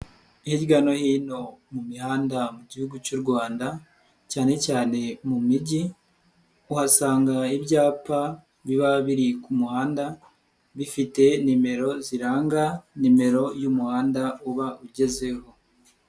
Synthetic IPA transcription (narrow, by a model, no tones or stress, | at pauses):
ihiɟɡano̞hiːno̞mumihaːndamuɟihuɡut͡ʃuɾɡwaːnda | caːne̞caːne̞mumiɟi | uhasaːŋɡaibɟaːpa | βiβaβiɾikumuhaːnda | βifite̞nime̞ɾo̞ziɾaːŋɡanime̞ɾo̞jumuhaːndauβaʔuɟe̞ze̞ho̞